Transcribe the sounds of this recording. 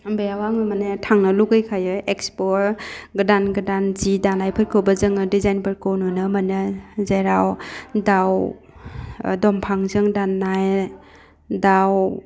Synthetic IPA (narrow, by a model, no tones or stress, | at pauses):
mbejawaŋnɯmanɯtʰaŋnɯluɡɯjkʰajɯekspɔɾɡɯdanɡɯdanzidanajpʰɯt̚kʰɯwbɐzɯŋɯdizajnpɯɾkʰownunɯmanɯzaɾawdaw | dɔmpʰaŋzɯŋdanːaj | daw